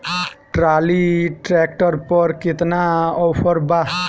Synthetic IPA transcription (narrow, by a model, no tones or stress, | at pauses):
ʈɾaliʈɾɛkʈɔɾpɔɾkit̪naɔpʰɔɾba